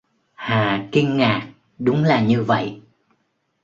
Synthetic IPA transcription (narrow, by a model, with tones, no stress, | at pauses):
haː˨˩ki˧ŋŋaː˨˩k̚ | ɗʊ˨˦ŋ͡mlaː˨˩ɲɨ˧və̰˧˨j